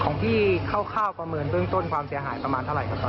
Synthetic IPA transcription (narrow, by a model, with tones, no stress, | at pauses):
kʰɔː˩˦ŋt̪ʰiː˥˩kʰa˥˩wkʰaː˥˩wpa˧mɤː˧nbɯ˥˩əŋt̪o˥˩nkʰwaː˧msi˨˩˦ɐɦaː˨˩˦jpɾa˧maː˧nʰa˥˩ɾa̰˨˩˦jka˧˩t̪ɔː˧˨